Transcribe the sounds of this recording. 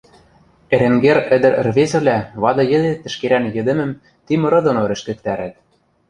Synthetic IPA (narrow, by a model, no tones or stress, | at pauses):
eɾeŋɡeɾɘ̆d̪ɘ̆ɾ̆rβezɘ̆βlʲæβɑd̪ɤ̆jɘ̆d̪et̪ːɘ̆ʃkeɾænjɘ̆d̪ɘ̆mɘ̆m | t̪imɤ̆ɾɤ̆d̪onoɾɘ̆ʃkɘ̆k̚t̪æɾæt̪̚